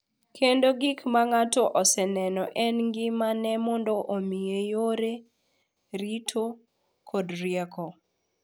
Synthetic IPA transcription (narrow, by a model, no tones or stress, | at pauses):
kʰendoɡikmaŋatɔʔɔsɛnɛnɔʔɛnɡɪmanɛmɔndɔʔomiejoɾe | ɾitʰo | kʰɔdɾjɛkɔ